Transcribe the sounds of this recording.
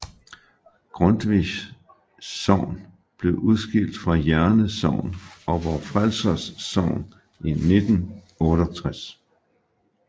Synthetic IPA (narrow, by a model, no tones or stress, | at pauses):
ɡ̥ʁɔnd̥ʋiɕː | ɒʊ̰n | b̥le̝ʊuð̞ˠsɡ̥el̰d̥fʁɑ̈jæɐnəsɒʊ̰nʔɒ̽ʋɑfʁal̰sɐsːɒʊ̰n | ine̝d̥n̩ | ɔ̽ːɾɒt͡sʰʁas